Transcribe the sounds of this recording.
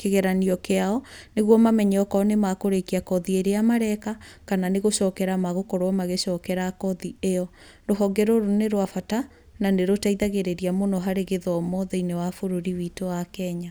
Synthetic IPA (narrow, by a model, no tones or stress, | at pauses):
keɣɛɾaniɔkeaɔneɣwɔmamɛɲɛɔkɔnemakoɾekiakɔðieɾeamaɾɛkakananeɣoʃɔːkɛɾamaɣokɔɾwɔmaɣeɕɔːkɛɾakɔðieɔ | ɾoɦɔɡɛɾoɾoneɾwafata | naneɾotaiðaɣeɾeɾiamonɔɦaɾeɣeðɔmɔðɛinewafoɾoɾiwitowakɛɲa